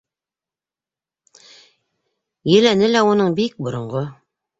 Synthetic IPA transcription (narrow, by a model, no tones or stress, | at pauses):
jɘ̆lænɘlæunɤɴbik̚bŏɾŏɴʁo